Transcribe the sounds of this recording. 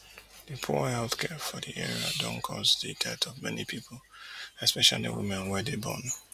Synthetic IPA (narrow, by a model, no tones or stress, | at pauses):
dɨpʰuhɛlˠθkʰɛfɔdiʔɛɹiadɔ̃ŋkʰɔsditʰɛtʰɔvmɛnipʰipʰl̩ɛspɛʃalidə̰wḭmɛ̃nwɛdebɔ̰̃n